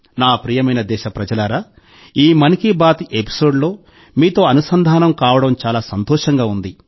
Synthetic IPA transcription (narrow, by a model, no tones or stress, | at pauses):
naːpɾiːjɐmɐjnɐd̪ɛːʃɐpɾɐd͡ʒɐlaːɾaː | iːmɐnikibaːt̪iʔepi̥so̞ːɖlo̞ː | miːt̪o̞ːɐnusɐnd̪ʱaːnɐmkaːʋɐɽɐmt͡ʃaːlaːsɐnt̪ɔːʂɐŋɡaːund̪i